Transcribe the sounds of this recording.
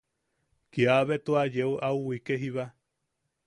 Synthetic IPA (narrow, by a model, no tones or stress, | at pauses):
kiaβet̪oad͡ʒeuʔauwikeɦiβa